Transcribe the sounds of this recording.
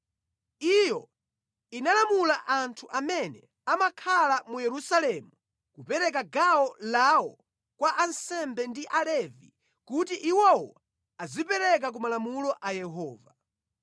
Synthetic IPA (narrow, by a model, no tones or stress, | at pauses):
ijɔ | inalamulaʔantʰuʔamɛnɛ | amakʰalamujɛɾusalɛmu | kupɛɾɛk̬aɡaɔlawɔ | kwaʔansɛmbɛndiʔalɛvḭ | kutiʔiwɔwɔ | azipɛɾɛk̬ak̬umalamulɔʔajɛɦɔːva